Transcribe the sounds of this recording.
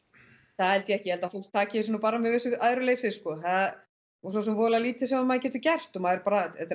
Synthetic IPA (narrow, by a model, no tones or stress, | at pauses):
θaðhɛlt̪jɛɛhcɪjɛhɛlt̪afol̥t̪ʰaːcɪɪsɔnːupaːɾamɛðvɪsʏaːðɾʏleːjsɪskɔθaða | ɔsɔs̬ɔmvɔːlaliːt̪ʰɪsɛmamaːcɛːt̪ʏcɛr̥t̪ɔmaɪɾpaːɾaɛt̪